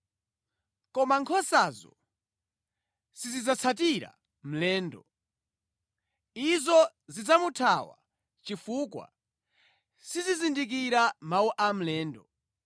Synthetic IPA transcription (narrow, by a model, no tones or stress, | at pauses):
kɔmaŋkʰɔsazɔ̰ | sizid͡zat͡sʰatiɾa̰ | m̩lɛːndɔ | izɔ | zid͡zamutʰawa̰ | t͡ʃifukwa̰ | sizizindik̬iɾamawuʔam̩lɛːndɔ